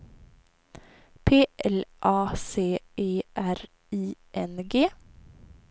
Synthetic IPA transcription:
pʰeːʔɛlʔɑːseːeːʔæɾ | iːʔɛnɡeː

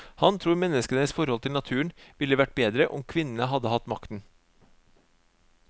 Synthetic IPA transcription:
hɑnt̪ʰɾuːɾmɛnːəskənəsfɔɾhɔlt̪ʰɪlnɑt̪ʰʉːəɳʋɪlːəʋæʈ̚beːd̪ɾəʔɔ̰mkʰʋɪnənəɦɑd̪əhɑt̪mɑkt̪n̩

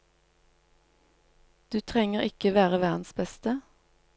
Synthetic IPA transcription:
d̪̥ʉːt̪ʰʁɛŋəʁɪkəʋæːʁəʋæːʁnn̩sbɛst̪ə

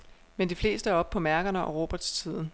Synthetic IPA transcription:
mend̥ifle̝̰ːsd̥əæɐɒ̽b̥̚pʰɒ̽mæɐɡ̥ɐnəʔɒ̽ʁo̝b̥ɐd̥st͡sʰið̞̰ˠn̩

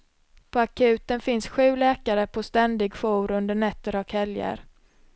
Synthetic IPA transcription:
pʰɔakʰʉ̟ːt̪ənfɪnsɧʉ̟ːlɛːkaɾəpʰɔst̪ɛnd̪ɪɡfuːɾɵnd̪əɳɛt̪ːəɾɔkʰhɛljə̰ɾ

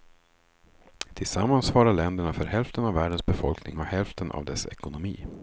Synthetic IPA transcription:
t̪ʰɪlsamːansvɑːɾaɭɛnd̪əɳafœɾhɛlft̪ənavːæːɖənsbɛfɔlknɪ̰ŋɔhɛlft̪ənʔa̰vd̪ɛsɛ̰kʊnʊmḭː

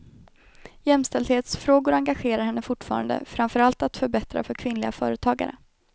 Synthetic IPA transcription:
jɛmst̪ɛld̪heːt̪sfɾoːɡʊɾaŋɡaɧeːɾaɾhɛnːəfʊʈːfɑ̰ːɾa̰nd̪ə̰fɾamfœɾalt̪at̪fœɾbɛt̪ɾa̰fœɾkʰvɪnlɪɡafœ̰ːɾət̪ʰɑːɡa̰ɾə̰

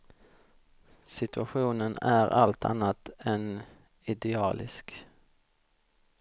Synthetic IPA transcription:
sɪt̪ɵaɧuːnənæɾʔa̰lt̪ʰa̰nːat̪ɛn | ɪd̪ɛɑːlʔɪ̰sk

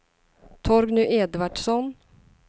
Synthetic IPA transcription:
t̪ʰɔɾɡnʉʔeːd̪vaɖʂɔn

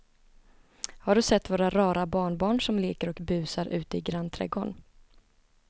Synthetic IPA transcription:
haɖɵsɛt̪ːvoːɾaɾɑːɾabɑːɳbɑːɳʂɔmleːkəɾɔkbʉ̟ːsaɾʔʉ̟ːt̪əɪɡɾant̪ʰɾɛ̰ɡɔɳ

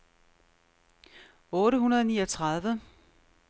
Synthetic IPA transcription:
ɔ̽ːɾəɦunɐðˠniːɐt͡sʰʁɑðˠʋə

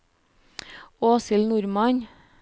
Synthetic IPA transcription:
oːsɪlnʊɾmɑɲ

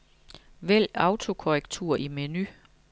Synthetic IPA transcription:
ʋel̰ɑ̈ʊt͡sʰo̝kʰoʁɛɡ̥̚t͡sʰuːɐ̰ʔimeny

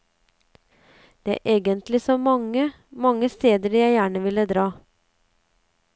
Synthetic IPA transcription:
d̪̥ɛæ̰ːʔeːɡənt̪lɪsɔmɑŋə | mɑŋːəst̪eːd̪əɾjæɪjæːɳəʋɪləd̪ɾɑː

